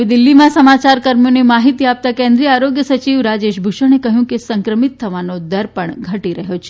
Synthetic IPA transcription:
id̪ɪlːimãsəmat͡ʃaɾkəɾmjonemaɦit̪iap̚t̪akẽnd̪ɾiaɾoɡjəsət͡ʃiʋɾad͡ʒeʃbʱuʃəñekəɦjũkesəŋkɾəmit̪ʰːəʋanod̪əɾpəɳɡʱəʈiɾəɦjot͡ʃʰe

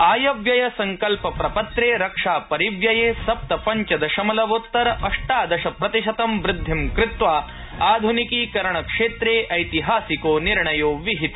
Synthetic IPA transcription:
aːjɐʋjɐjɐsɐŋkɐlpɐpɾɐpɐt̪ɾeːɾɐkʂaːpɐɾiʋjɐjeːsɐp̚t̪ɐpɐɲt͡ʃɐd̪ɐʃɐmɐlɐʋot̪ːɐɾɐɐʂʈaːd̪ɐʃɐpɾɐt̪iʃɐt̪ɐmʋɾɪd̪ʱːimkɾɪt̪ʋaː | aːd̪ʱunikiːkɐɾɐɳɐkʂeːt̪ɾeːʔɐjt̪iɦaːsikoːniɾɳɐjoːʋiɦit̪i̥

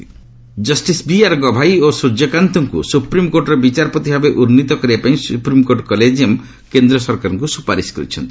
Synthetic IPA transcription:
d͡ʒʌsʈisbiaɾɡɔbʱajosɾud͡ʒɔkant̪ɔŋkṵsupɾimkoɾʈɾɔbit͡ʃaɾpɔt̪ibʱabeʔuɾnit̪ɔkɔɾiapaĩsupɾimkoɾʈkɔled͡ʒiɔm | kend̪ɾɔsɔɾkaɾɔŋkusupaɾiskɾḭt͡ʃʰɔ̰nt̪i

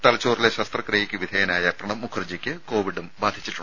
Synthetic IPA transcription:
t̪ɐlɐt͡ɕːoːrileɕɐst̪rɐkrejikʲːuʋid̪ʱɐjɐnaːjɐprɐɳɐmːukʰɐrd͡ʑikʲːɨko̞ːʋiɽumbaːd̪ʱi̥t͡ɕːiʈːuɳ

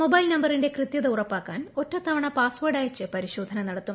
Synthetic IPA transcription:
mobɐjlnɐmbɐrinde̞krɨt̪jɐðɐurɐpːaːkːaːno̞tːɐt̪ʰːɐʋɐɳɐpaːsʋɐːɽaːjɐt͡ɕːɨpɐɾiɕo̞ːd̪ʱɐnɐnɐɽɐt̪ːum

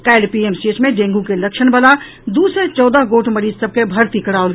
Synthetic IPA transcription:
kɛːɖpiːemsʈeːt͡ʃmẽɖẽːŋɡukelɐkʃənbɐlaː | d̪uːsɾet͡ʃɔːd̪əɦɡoːʈməɾiːzsəb̚kebʱɐɾt̪ikɐɽaːol

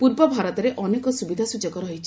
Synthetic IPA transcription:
puɾbɔbʱaɾɔt̪ɔɾeʔɔnekɔsubid̪ʱasud͡ʒɔkɔɾɔɦit͡ʃʰi

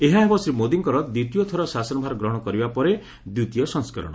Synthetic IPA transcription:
eɦãɦebɔsɾimod̪iŋkɔɾɔd̪ut̪ijɔt̪ʰɔɾɔsasɔnɔbʱaɾɔɡɾɔɦɔɽ̃ɔkɔɾibapɔɾe | d̪ut̪ijɔsɔŋska̰ɾɔ̰ɽ̃ɔ

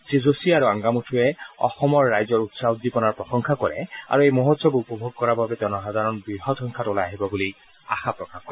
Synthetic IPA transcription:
sizosiaɹuãŋɡamutʰuɛɔ̰xɔmɔɹːajzɔɹut̪saud̪ipɔnaɹpɹɔxɔŋkʰakɔɹɛ̰a̰ɹuejmoɦɔt̪sɔbupɔbʱoɡ̚kɔɹababɛtɔnɔsad̪ʱaɹɔnbɹiɦɔtʰɔŋkʰatolaaɦibɔbuli | a̰xapɹɔkaxkːɔɹɛ

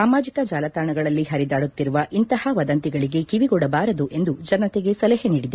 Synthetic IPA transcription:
aːmaːd͡ʒikɐd͡ʒaːlɐt̪aːɳɐɡɐɭɐlːiɦɐɾid̪aːɽut̪ːiɾuʋɐʔint̪ɐhɐʋɐd̪ɐnt̪iɡɐɭiɡe̞kiʋiɡɔɽɐbaːɾɐd̪uʔe̞nd̪ud͡ʒɐnɐt̪eɡe̞sɐlɐɦeniːɽid̪e

